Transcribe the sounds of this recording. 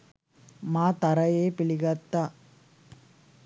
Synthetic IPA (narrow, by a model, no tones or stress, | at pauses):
maːt̪ɐɾɐjeːpɪɭɪɣɐt̪ːa